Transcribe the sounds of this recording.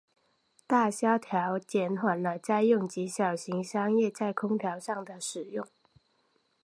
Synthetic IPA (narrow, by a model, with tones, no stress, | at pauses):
t̪a˥˩ɕjɑ˥ʊt̪ʰjɑ˧˦ʊt͡ɕjɛ˧˥nhwa˨˩nlə˦t͡sa˥˧ɪjʊ˥˩ŋt͡ɕi˧˥ɕjɑ˨˩ʊɕi˧˦ŋʂɑ˥ŋjɛ˥˨t͡sa˥˩ɪkʰʊ˥ŋt̪ʰjɑ˧˥ʊʂɑ˥˩ŋd̪ə˩ʂɻ̩˨˩jʊ˥˩ŋ